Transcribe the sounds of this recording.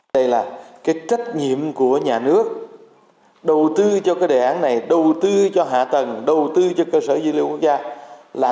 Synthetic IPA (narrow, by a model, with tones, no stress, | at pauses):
ə˧jlaː˨˩kaː˨˦jt͡ɕə˦˥t̚ɲḭ˧˨əmku˧˩əɲaː˨˩nɨ˦˥ək̚ | ɗə˨˩wt̪ɨ˧t͡ɕɔ˧kaː˨˦jɗe˧˩ʔaː˨˦nna˨˩jɗə˨˩wt̪ɨ˧t͡ɕɔ˧ɦa̰ː˧˨t̪ə˨˩ŋɗə˨˩wt̪ɨ˧t͡ɕɔ˧kəː˧səː˧˩zwli˧˨ku˦˥k̚zaː˧laː˨˩